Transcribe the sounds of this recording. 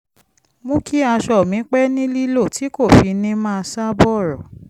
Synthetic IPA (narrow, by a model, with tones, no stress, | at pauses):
mõ˦kʰi˦a˧ʃɔ˦˨mĩ˨˦k͡pɛ˦nĩ˦li˦lo˦˨tʰi˨˦ko˦˨fi˧nĩ˧mãː˦˧sa˦bɔ˦˨ɾɔ˨